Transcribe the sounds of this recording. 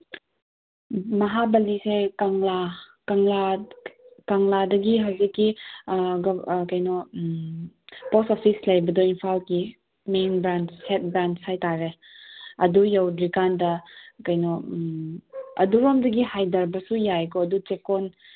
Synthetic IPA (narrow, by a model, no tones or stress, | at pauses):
mɐɦabɐlisekaŋla | kɐŋla | kɐŋladɐɡiɦawzikːi | ɡkɐjnɔ | posopʰislɐjbɐdoinpʰalki | menbɾanthet̚bɾanthajtaɾe | ɐdujawdɾikandɐkɐjnɔ | ɐ̰duɾomdɐɡihajdɐɾbɐsujajkoɐdut͡ʃekon